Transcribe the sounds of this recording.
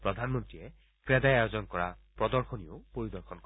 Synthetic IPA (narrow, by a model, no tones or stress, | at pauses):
pɾɔd̪ʱanmɔnt̪ɾie | kɾed̪ajajɔd͡ʒɔnkɔɾapɾɔd̪ɔɾxʰɔniopoɾid̪ɔɾkʰɔnkɔ